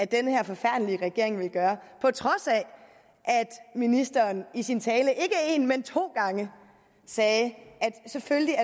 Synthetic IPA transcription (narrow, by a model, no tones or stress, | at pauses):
æd̥enəheɐfɒ̽fæɐ̰d̥əliəʁɛɡ̥e̝̰ɐ̰e̝ŋʋe̝lɡ̥ɶːɐpʰɒ̽t͡sʰʁɒ̽sɛ | ʔæd̥minisd̥ɐːnisint͡sʰɛːləʔe̝ɡ̥əe̝ːnment͡sʰo̝̰ːɡ̥ɑ̈ŋə | sɛːʔæd̥sefølliæ